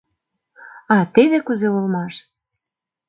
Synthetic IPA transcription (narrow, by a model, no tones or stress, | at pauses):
ɑt̪eðekuzeulmɑʃ